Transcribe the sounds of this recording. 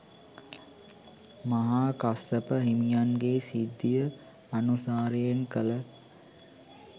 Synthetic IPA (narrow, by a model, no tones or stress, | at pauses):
maɦaːkasəpəɦimijanɡeːsid̪ːijə | anusaːɾəjenkələ